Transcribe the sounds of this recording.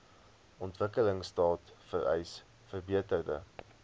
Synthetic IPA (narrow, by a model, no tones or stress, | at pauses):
ɔntvəkələŋstɑːtfərɛ̰js | fərbiətərdə̰